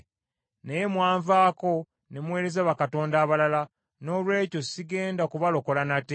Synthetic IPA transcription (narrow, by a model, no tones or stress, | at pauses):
nejemwaːɱvaːko̞ | nemwe̞ːɾe̞zaβakato̞ːndaːβalala | no̞ːlwe̞ːco̞siɡe̞ːndakuβalo̞ko̞lanate